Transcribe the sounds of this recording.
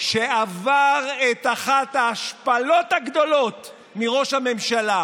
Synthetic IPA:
ʃeavaʁet̪aχathaːʃpalo̞t̪haɡd̪o̞lo̞t | miʁo̞ʃhame̞mʃala

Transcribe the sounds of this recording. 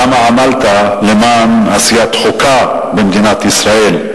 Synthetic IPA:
amaʕamalt̪alemaːnʕasijat̪χoka | bemd̪inat̪isɾaʔel

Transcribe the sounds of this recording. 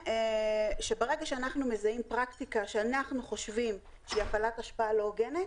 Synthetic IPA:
ʃe̞beʁe̞ɡaʃeanaχnume̞zaimpʁaktikaʃeanaχnuχo̞ʃvim | ʃeiafalataʃpaalo̞ɡenet

